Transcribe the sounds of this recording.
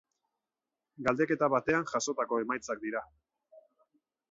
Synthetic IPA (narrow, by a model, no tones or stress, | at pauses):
ɡald̪e̞ke̞t̪aβat̪e̞anʝaso̞t̪ako̞e̞majt͡sak̚d̪iɾa